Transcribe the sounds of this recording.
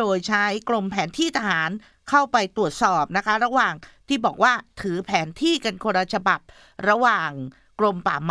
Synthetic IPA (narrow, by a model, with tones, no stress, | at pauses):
oː˧jt͡ɕʰa˦˥jkɾo˧mpʰɛː˩˦nt̪ʰiː˥˩t̪ʰa˧haː˩˦n | kʰa˥˩wpa˧jt̪u˨˩ət̪̚sɔː˨˩p̚na˦˥kʰa˦˥ɾa˧waː˨˩ŋt̪ʰiː˥˩bɔː˨˩k̚waː˥˩t̪ʰɯː˩˦pʰɛː˩˦nt̪ʰiː˥˩ka˧nkʰoː˧ɾa˧t͡ɕʰa˧ba˨˩p̚ | ɾa˧waː˨˩ŋ | kɾo˧mpa̰ː˨˩m